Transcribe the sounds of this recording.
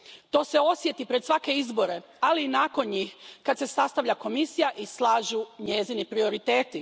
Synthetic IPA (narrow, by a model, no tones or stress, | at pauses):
t̪o̞ːse̞o̞sje̞t̪ipɾesʋake̞izbo̞ɾe̞ | aliːnaːko̞nɲiːxkad̪se̞sast̪aʋʎako̞misijaʔislˠaːʒuɲe̞zinipɾio̞ɾit̪eːt̪i